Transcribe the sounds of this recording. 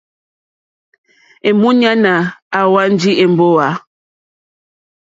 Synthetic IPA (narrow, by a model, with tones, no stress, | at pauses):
e˨mu˦ɲa˦na˨a˨wa˦n˦d͡ʒi˦e˨m˨bo˦a˨˦